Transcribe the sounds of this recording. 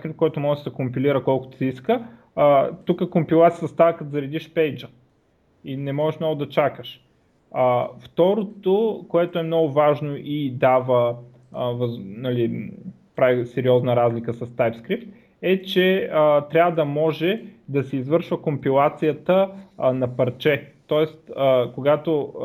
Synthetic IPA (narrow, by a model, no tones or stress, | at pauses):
kɾip̚t̚koɛt̪ʊmɔʒɛʃd̪ɐkompiliɾəkɔlˠko̥t̪siskə | t̪ukəkompilˠat̪ijət̪ɐst̪akət̪zɐɾɛd̪iʃpɛjd͡ʒə | inɛmɔʒɛʃmnɔɡʊd̪ɐt͡ʃakəʃ | əft̪ɔɾot̪okoɛt̪oɛmnɔɡʊvaʒnoʔid̪avə | vɐnɐli | pɾavisɛɾiɔznəɾazlʲikəsɐst̪ajpskɾipt̪̚ | ɛt͡ʃɛət̪ɾʲavəd̪ɐmɔʒɛd̪ɐsɛizvɤɾʃvəkompilˠat̪sijət̪ənɐpɐɾt͡ʃɛt̪ɔɛst̪əkoɡat̪o